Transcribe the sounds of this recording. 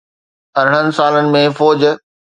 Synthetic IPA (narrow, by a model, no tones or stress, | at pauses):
ɐɾ̤ɽ̤̃ənɪ̆saːlənɪ̆mẽfɔːd͡ʑ